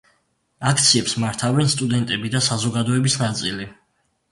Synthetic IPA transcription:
akʰt̪sʰiɛpsmaɾt̪ʰavɛnst̪ʼud̪ɛnt̪ʼɛbid̪asazɔɡad̪ɔɛbisnat̪sʼili

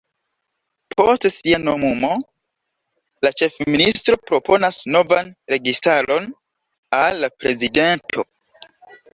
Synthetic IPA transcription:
pʰo̞stsianomumo̞ | lat͡ʃe̞fministɾo̞pɾo̞po̞nasno̞vanɾe̞ɡistalo̞n | alːapɾe̞zide̞ntʰo̞

